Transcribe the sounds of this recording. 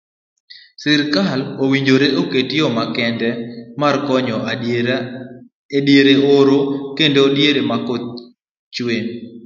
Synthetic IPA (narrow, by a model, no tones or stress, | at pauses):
sɪɾkalowiɲd͡ʒoɾeʔoketɪɔmakɛndɛmarkɔɲɔʔ | djeɾeoɾokendodjeɾemako | t͡ʃwen